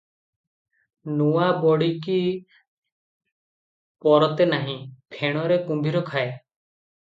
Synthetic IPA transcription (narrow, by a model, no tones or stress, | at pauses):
nuwabɔɽiki | pɔɾɔt̪enaɦĩpʰeɽ̃ɔɾekumbʱiɾɔkʰae